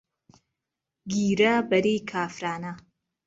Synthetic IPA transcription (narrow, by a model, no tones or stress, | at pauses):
ɡiːɾɐbɐɾiːkʰaːfɾaːnɐ